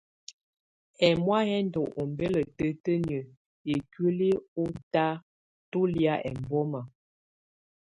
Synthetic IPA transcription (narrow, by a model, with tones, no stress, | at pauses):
ɛ˨mwa˦ɦɛ˦ndɔ˨ʔo˨m˦be˦lə˨tə˦tə˦nə˨ | e˨kɥə˦li˦o˦ta˦ | to˦lja˦ʔɛ̰˨m˨bɔ˦ma˨